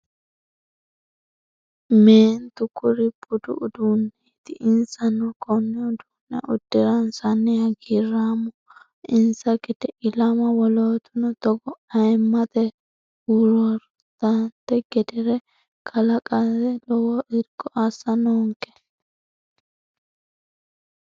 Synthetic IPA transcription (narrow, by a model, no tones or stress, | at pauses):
meːnt̪ʊkʊɾɪbʊd̪ʊ̰ʔʊd̪unːet̪ɪʔɪnsɐnːʊkɔnːɛʊd̪uːnːɛ̰ʔʊd̪̥ːɪɾɐnsɐnːɪjaɡirːaːmɔ | ɪnsɐɡɛd̪ɛʔɪlɐmɐwɔloːt̪ʊnɔt̪ɔɡɔɐjmːɐt̪ɛ | ʊɾɔɾ | t̪ɐnt̪ɛɡɛd̪ɪɾɛ | kʰɐlɐkʼasɛlɔwɔʔɪɾkːɔʔɐsːɐnɔːŋkɛ̥